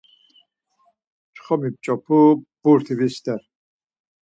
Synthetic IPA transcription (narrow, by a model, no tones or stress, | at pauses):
t͡ʃχɔmip̚t͡ʃʼɔpʰub̥uɾt̪ʰivisd̪ɛɾ